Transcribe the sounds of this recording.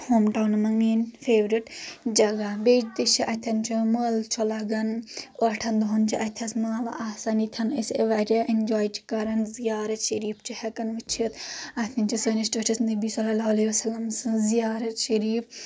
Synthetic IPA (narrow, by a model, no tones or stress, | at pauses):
hoːmʈawnmɐŋniːnfʰeːʋɾiʈd͡ʒɐɡabeːd͡ʒt̪it͡ʃiʔɐt̪ʰɐnt͡ʃʰiməːlt͡ʃʰolɐɡɐnɐʈʰɐnd̪uɦɐnt͡ʃʰiʔɐt̪ʰɐsmaːla̰ʔaːsanit̪ʲʰɐniseʋaɾʲaʔind͡ʒaːjt͡ʃʰi̥kɐɾɐnzijaːɾɐt̪ʃɐɾiːpʰt͡ʃʰihɐkɐnʋit͡ʃʰit̪ɐt̪ʰint͡ʃʰisɐnisʈeʈʰɐsnɐbiːsɐlɐlaɐleʋɐsɐlɐmsɨ̃zijaːɾɐt̪ʃɐɾiːf